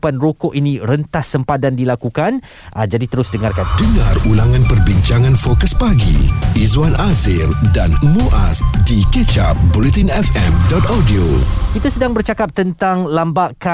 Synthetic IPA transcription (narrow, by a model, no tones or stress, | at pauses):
panrokɔʔinĩɾənt̪asəmpat̪̚dandilakukan | ʔad͡ʒadit̪əɾʊsdəŋarkandəŋãrulaŋãnpərbiɲt͡ʃaŋãnfokəspaɡḭizwanʔazɪldanmoʔasdikət͡ʃap̚bolit̪inɛfɛmdɔt̪adiokit̪asədaŋbərt͡ʃakap̚t̪ənt̪aŋlambaʔka